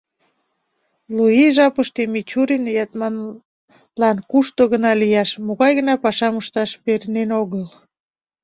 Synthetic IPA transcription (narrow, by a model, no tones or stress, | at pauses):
luiʒɑpəʃt̪emit͡ɕuɾinjɑt̪mɑn | lɑnkuʃt̪oɣənɑlijɑʃmoɣɑjɣə̆nɑpɑʃɑməʃt̪ɑʃpeɾnenoɣəl